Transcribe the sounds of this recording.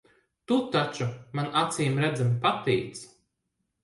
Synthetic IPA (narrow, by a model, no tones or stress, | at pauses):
t̪ut̪at͡ʃumanat̪siːmɾɛd̪zampat̪ɛ̰ːt̪s